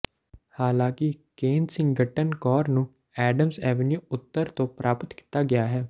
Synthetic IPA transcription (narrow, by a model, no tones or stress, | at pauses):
haːlãːkɪkeːnsɪ̃ŋɡɡəʈːənkɔːɾnũː | ɛːɖəmsɛːʋənjuːʊt̪ːəɾt̪õːpɾʔaːpət̪kɪ̥t̪ːaːɡɪjaːɦɛː